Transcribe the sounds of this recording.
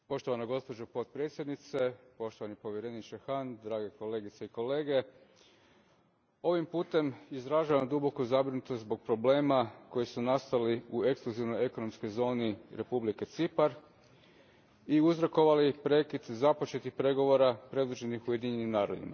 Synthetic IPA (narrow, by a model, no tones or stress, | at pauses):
po̞ʃt̪o̞ʋanaɡo̞spo̞d͡ʒopo̞t̪̚pɾje̞t̪sjed̪nit̪se̞po̞ʃt̪oʋanipo̞ʋjeɾenit͡ʃexand̪ɾaːɡeko̞le̞ːɡit̪seiko̞le̞ːɡe̞ | o̞ʋimpuːt̪e̞mizɾaʒaʋamd̪ubo̞kuzabɾinut̪oszbo̞ɡ̚pɾo̞ble̞ːmako̞jisunast̪aliue̞kskluziʋno̞je̞ko̞no̞msko̞jzo̞ːniɾʔe̞publike̞t̪sipaɾ | iuzɾoko̞ʋalipɾe̞kid̪zapo̞t͡ʃe̞t̪ixpɾe̞ɡo̞ʋo̞ɾapɾe̞d̪ud͡ʒe̞nixuje̞d̪iɲenimnaːɾo̞̰d̪ḭma̰